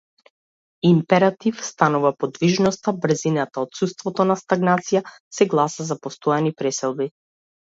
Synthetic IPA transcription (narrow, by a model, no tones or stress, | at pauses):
impɛɾat̪ifst̪anuvapɔd̪viʒnɔst̪abɾ̩zinat̪aɔt̪sust̪vɔt̪ɔnast̪aɡnat̪sija | sɛɡlˠasazapɔst̪ɔɛnipɾɛsɛlˠbi